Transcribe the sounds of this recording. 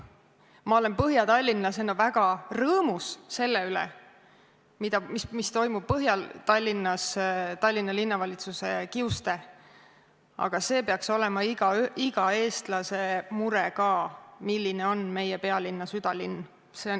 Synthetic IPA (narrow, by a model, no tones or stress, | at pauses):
mɑo̞le̞npɤɦjɑt̪ɑlʲːinːɑsenːovæɡ̥ɑrɤːmusse̞lːeylɛ̰ | mid̪ɑmismist̪o̞jmub̥̚pːɤɦjɑt̪ɑlʲːinːɑst̪ɑlʲːinːɑlinːɑvɑlʲit̪suse̞kiust̪e̞ | ɑ̰ɡ̥ɑse̞ːpe̞ɑkso̞lɛ̞mɑiɡɑiɡ̥ɑe̞ːst̪lɑse̞muɾɛkɑːmilʲːine̞o̞nme̞jɛpe̞ɑlʲinːɑsyd̪̥ɑlinː | se̞on